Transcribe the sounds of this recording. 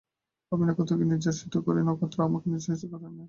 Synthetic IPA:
aminakɔt̪ʰokeniɾd͡ʒaʃit̪okɔɾenokʰɔt̪ːɾoamakeniɾd͡ʒait̪opaɾʰanːa

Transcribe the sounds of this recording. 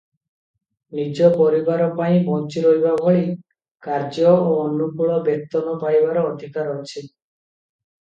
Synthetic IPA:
nid͡ʒɔpɔɾibaɾɔpaĩbɔnt͡ʃiɾojbabʱoɭi | kaɾd͡ʒɔoːnːukuɭɔbek̚t̪ɔnɔpaibaɾɔːd̪ʱikaɾɔt͡ʃʰi

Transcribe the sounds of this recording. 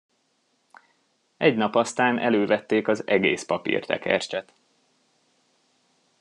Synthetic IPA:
ʔɛɟnɒpɒst̪aːnʔɛløːvɛt̪ːeːkɒzɛɡḛːspɒpḭrt̪ɛ̰kɛrt͡ʃɛt̪

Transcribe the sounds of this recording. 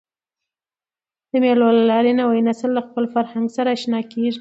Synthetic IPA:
d̪̥əmelwalalɑɾenawajnaslːaxpəlfaɾhaŋɡsaɾaʃnɑkeʐi

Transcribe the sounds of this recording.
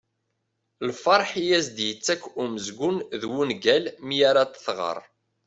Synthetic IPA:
lfɑɾˤħijæzd̪jət͡sːækːuməzɡʊnðwunɡælmijaɾat̪ə̥θʁə̰ɾˤ

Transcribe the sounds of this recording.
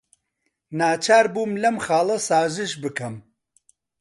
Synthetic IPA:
naːt͡ʃʰaːɾbuːmlɐmxɑːlˠɐsaːzɨʃbɨkɐm

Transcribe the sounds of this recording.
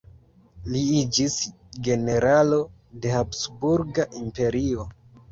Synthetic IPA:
liid͡ʒis | ɡe̞ne̞ɾalo̞de̞hapsbuɾɡaʔimpe̞ɾio̞

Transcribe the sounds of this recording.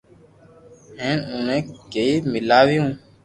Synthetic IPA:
ɦẽːnũːnẽːkeiːmɪlaːʋɪjũː

